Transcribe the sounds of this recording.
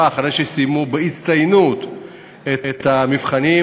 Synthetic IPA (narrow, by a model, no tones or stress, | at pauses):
aːχaʁejʃesijmubeit͡st̪ajnut̪ | eet̪amivχani